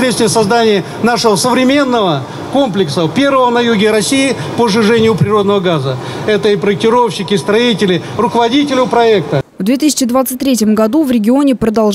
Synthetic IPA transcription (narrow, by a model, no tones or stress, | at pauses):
ɾʲet̪svʲɪjəsɐzd̪anʲɪjə | naʂəvəsəvɾʲɪmʲe̞nːəvə | ko̞mplʲɪksəpʲe̞rvəvənɐjuɡʲɪɾɐsʲiɪpəʐɨʐɛnʲɪjʊpɾʲɪro̞d̪nəvəɡazə | ɛt̪əipɾəɪk̚tʲɪɾo̞fɕːɪkʲɪst̪ɾɐitʲɪlʲɪ | rʊkəvɐdʲitʲɪlʲɪpɾɐɛk̚t̪əvd̪vʲet̪ɨsʲɪ̥t͡ɕɪd̪vat̪sɨt̚ʲt̪ɾʲetʲjəmɡɐd̪uvɾʲɪɡʲɪo̞nʲɪpɾəd̪ɐlˠ